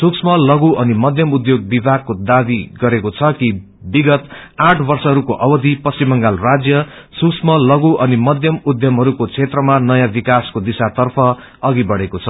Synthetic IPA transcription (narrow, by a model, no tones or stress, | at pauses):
suksmʌlʌɡuʔʌnimʌd̪ʱjʌmud̪joɡ̚bibʱaɡ̚kːod̪abiɡʌɾekot͡sʰʌki | biɡʌt̪ãʈʰbʌrsʌɦʌɾukoʔʌbʌd̪ʱipʌsimʌŋɡalrad͡zjʌ | suksmʌlʌɡuʔʌnimʌd̪ʱjʌmud̪ʱjʌmɦʌɾukot͡sʰet̪rʌmanʌjãbikaskod̪isat̪ʌrpʰʌ | ʌɡibʌɽekot͡sʰʌ